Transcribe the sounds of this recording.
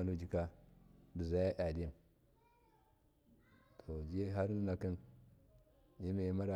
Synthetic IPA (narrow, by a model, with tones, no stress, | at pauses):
a˨nu˦d͡ʒi˨ka˦di˨za˦ja˦ʔa˨di˦˨m | tʰo˨d͡ʒe˦ɦa˦ɾn˦na˨ki˦n | ji˦me˨˦ma˦ɾa˨